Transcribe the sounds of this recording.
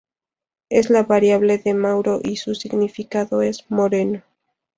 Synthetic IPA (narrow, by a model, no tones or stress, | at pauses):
ezlaβaɾjaβ̞le̞ðe̞mawɾoʔisusiɣnifikaðoezmo̞ɾeno